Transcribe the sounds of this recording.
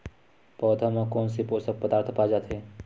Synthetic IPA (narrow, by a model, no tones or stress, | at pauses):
pɔːd̪ʱamãkɔːnsipoːsək̚pəd̪aːɾt̪ʰpaːd͡ʒaːt̪ʰeː